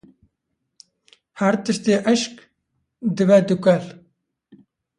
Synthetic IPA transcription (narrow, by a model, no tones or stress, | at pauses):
hæɾt̪ɨʃt̪eːʔɐʃk | d̪ɨvɛd̪ukɐl